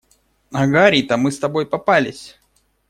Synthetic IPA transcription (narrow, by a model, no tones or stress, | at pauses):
ɐɡaɾʲit̪əmɨst̪ɐbojpɐpalʲɪsʲ